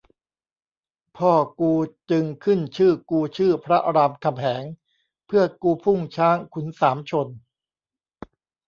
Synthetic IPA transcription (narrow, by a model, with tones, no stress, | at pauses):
pʰɔː˥˩kuː˧t͡ɕɯ˧ŋkʰɯ˥˩nt͡ɕʰɯː˥˩kuː˧t͡ɕʰɯː˥˩pʰɾa˦˥ʔa˧ɾaː˧mkʰa˧mhʰɛː˩˦ŋ | pʰɯ˥˩ɐkuː˧pʰu˥˩ŋt͡ɕʰaː˦˥ŋkʰu˩˦nsaː˩˦mt͡ɕʰo˧n